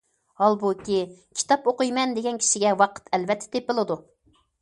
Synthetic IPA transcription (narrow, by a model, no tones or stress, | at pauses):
hɑlˠbukʲikʲʰi̥t̪ɑpoqɨjmɛnd̪eɡʲɛnkʲʰi̥ʃiɡʲɛwɑqʰə̥t̪ʰɛlvɛt̪ʰːɛ̥t̪ʰepɨlˠɨd̪u